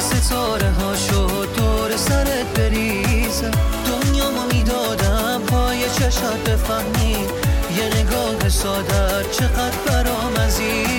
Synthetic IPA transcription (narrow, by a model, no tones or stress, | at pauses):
set̪ʰɔːɾeɦɒːʃo | t̪ʰoɾesæɾet̪̚beɾiːzd̪̥onjɒːmomiːd̪ɒːd̪æ | mhʰɔːjet͡ʃʰeʃat̪̚befæhmiː | jeneɡɒːɦesɒːd̪æ | t͡ʃʰeqæd̪ɾbæɾɒːmæzi